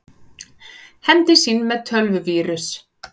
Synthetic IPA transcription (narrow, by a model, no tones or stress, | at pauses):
hɛmt̪ɪsiːnːmɛðt̪ʰœlvʏviːɾʏs